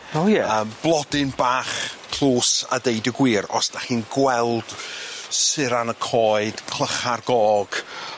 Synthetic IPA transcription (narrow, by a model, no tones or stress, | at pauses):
ojɛəmb̥lˠɔdɪnbaːχpʰl̥ˠuːsa̰dejdəɡwiːɾɔ̰sd̥aχiːnɡwɛlˠd̥sɪɾanəkʰɔːɨd̥kʰl̥ˠəχarɡɔːɡ̥